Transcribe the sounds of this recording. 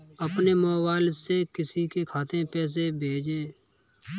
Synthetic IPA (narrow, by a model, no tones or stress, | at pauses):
əpnemoːwaːlsːekɪsikekʰaːt̪ẽpɛːs̬ebʱeːd͡ʒeː